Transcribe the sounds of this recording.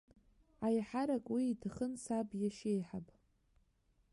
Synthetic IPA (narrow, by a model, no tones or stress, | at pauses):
ajħaɾakʼwiːtʰaχənsabjaʃejħapʼ